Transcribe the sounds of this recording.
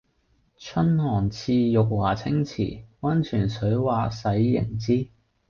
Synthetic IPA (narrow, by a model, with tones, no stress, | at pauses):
t͡ʃʰɵ˥nhɔː˨˩nt͡sʰiː˧jʊ˨k̚waː˨˩t͡sʰɪ˥ŋt͡sʰḭː˨˩wɐ˥nt͡ʃʰyː˨˩nsɵ˨˥ɥwaː˨˧sɐ˨˥jːɪ̰˨˩ŋt͡siː˥